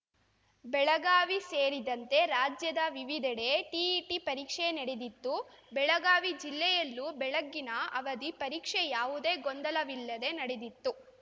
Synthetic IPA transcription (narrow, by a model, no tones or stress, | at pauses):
bɛɭɐɡaːʋiseːɾid̪ɐnt̪e̞ɾaːd͡ʒjɐd̪ɐʋiʋid̪ʱɛɽeʈiiʈipɐɾiːkʂenɐɽed̪it̪ːu | bɛɭɐɡaːʋid͡ʒilːɛjɐlːubɛɭɐɡːinɐɐʋɐd̪ipɐɾiːkʂejaːʋud̪e̞ːɡond̪ɐlɐʋilːɐd̪e̞nɐɽed̪it̪ːu